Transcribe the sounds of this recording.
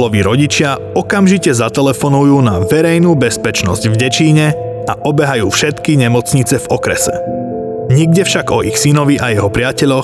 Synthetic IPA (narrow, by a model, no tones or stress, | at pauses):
lɔʋiɾɔɟit͡ʃɪa | ɔkamʒicɛzat̪ɛlɛfɔnujuːnaʋɛɾɛjnuːbɛspɛt͡ʃnɔzɟvɟɛt͡ʃiːɲɛ | aʔɔbɛɦajuːfʃɛt̪kiɲɛmɔt͡sɲit͡sɛvɔkɾɛsɛ̰ | ɲiɡ̚ɟɛfʃaɡɔʔixsinɔʋiʔajɛɦɔpɾɪacɛʎɔ